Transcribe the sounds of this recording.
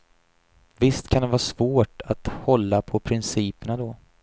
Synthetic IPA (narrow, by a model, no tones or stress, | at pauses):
vɪst̪kʰand̪ɛvɑːsvoːʈat̪hɔlːapʰɔpʰɾɪnsiːpəɳad̪ɔ